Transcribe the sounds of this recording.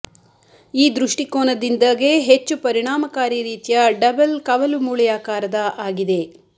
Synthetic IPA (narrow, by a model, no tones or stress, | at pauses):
iːd̪ɾuʂʈikoːnɐd̪ind̪ɐɡe̞ɦet͡ʃːupɐɾiɳ̃aːmɐkaːɾiɾiːt̪jɐɖɐbɐlkɐʋɐlumuːɭjaːkaːɾɐd̪ɐʔaːɡid̪e̞